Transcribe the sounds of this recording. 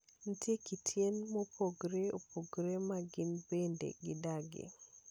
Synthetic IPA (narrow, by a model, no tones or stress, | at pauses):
n̩tjekitʰjenmopoɡɾeopoɡɾemaɡɪnbendḛɡɪdaɡḛ